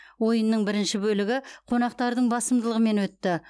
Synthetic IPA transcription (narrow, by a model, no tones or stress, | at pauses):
wojənːəɴbɪɾɪnʃɪbɵlɪɡʲɪqʰonɑq̚t̪ɑɾd̪əɴbɑsəmd̪əlˠəʁəme̞nwɵt̪ːɪ